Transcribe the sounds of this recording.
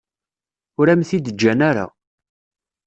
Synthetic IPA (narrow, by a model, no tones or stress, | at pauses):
ʊɾæmθid̪əd͡ʒːænaɾa̰